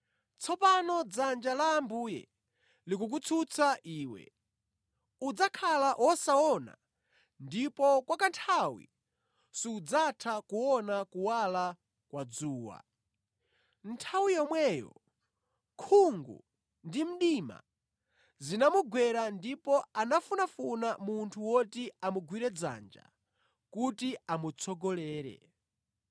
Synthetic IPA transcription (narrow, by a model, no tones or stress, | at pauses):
t͡sʰɔpanɔd͡zand͡ʒalaːmbuːjɛ̰ | lik̬uk̬ut͡sʰut͡saʔiːwɛ̰ | ud͡zakʰalaʔwʔɔsaɔna̰ | ndipɔkwakantʰawḭ | siːd͡zatʰakuwɔnakuwala | kwad͡zuːwa̰ | ntʰawijɔmwɛjɔ̰ | kʰuŋɡṵ | ndim̩ɗima̰ | zinamuɡwɛɾandipɔanafunafunamuntʰuwɔtiamuɡwiɾɛd͡za̰nd͡ʒa̰ | kutiamut͡sʰɔɡɔlɛːɾɛ̰